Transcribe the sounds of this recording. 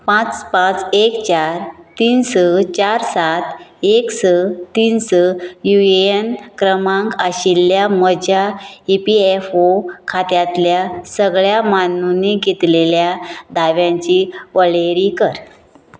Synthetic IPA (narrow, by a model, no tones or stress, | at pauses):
pãt͡spãt͡sekt͡ɕaɾt̪iːnsət͡ɕaɾsat̪eksət̪iːnsəjuenkɾəmãŋkaɕilːjaməd͡ʑaipiefokʰat̪jãt̪ljasəɡɭjamanuniɡet̪leljad̪ʱaʋjãɲt͡ɕiʋəɭeɾikəɾ